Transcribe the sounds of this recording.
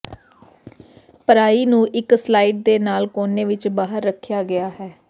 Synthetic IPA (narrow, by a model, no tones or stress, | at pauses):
pəɾaːiːnũːʔɪkslaːiːʈ̚d̪eːnaːlkoːneːʋɪt͡ʃbaːɦəɾːəkʰjaːɡɪaːɦɛː